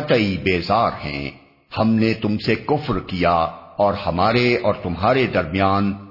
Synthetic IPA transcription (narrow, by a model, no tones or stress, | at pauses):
ɐt̪əibeːzaːɾɦɛ̰̃ː | hɐmnet̪ʊmsekʊfɾkijaɔːɾhɐmaːɾeɔːɾt̪ʊmɦaːɾed̪ɐɾmijaːn